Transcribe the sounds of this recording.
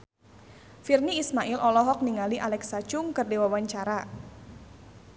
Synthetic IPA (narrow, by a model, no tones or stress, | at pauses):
firniːsmaʔɪlʔɔlɔɦɔk̚niŋaliʔalɛksat͡ʃʊŋkərdewawaɲt͡ʃaɾa